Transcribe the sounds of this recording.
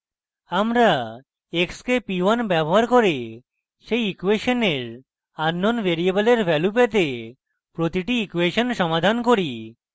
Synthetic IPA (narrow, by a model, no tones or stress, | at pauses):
amɾa | ekskepiwanbɛboɦaɾkoɾe | ʃejikweʃoneɾ | anːonbeɾiebəleɾbʱɛlup̬et̪̬e | pɾot̪iʈiikweʃonʃɔmad̪ʱankoɾi